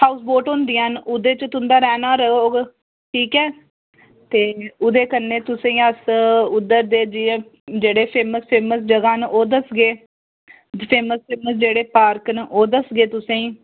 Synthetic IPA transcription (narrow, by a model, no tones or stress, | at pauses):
haːʊsboːʈɦõːnd̪ijãːnʊd̪eːt͡ʃət̪ʊnd̪aːɾɛːnaːɾəɦoːɡ | ʈʰiːkɛː | t̪eːʊd̪eːkənːeːt̪ʊsẽːiːəsʊd̪ːəɾd̪eːd͡ʒie | d͡ʒeːɽeːpʰeːməspʰeːməsd͡ʒəɡaːnʔoːd̪əsɡeː | pʰeːməspʰeːməsd͡ʒeːɽeːpaːɾknʔoːd̪əsɡeːt̪ʊsẽĩː